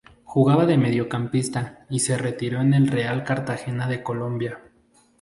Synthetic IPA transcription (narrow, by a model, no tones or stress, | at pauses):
xuɣaβaðe̞me̞ðjo̞kampist̪aise̞re̞t̪iɾo̞ene̞lre̞alkaɾt̪axe̞naðe̞ko̞lo̞mbja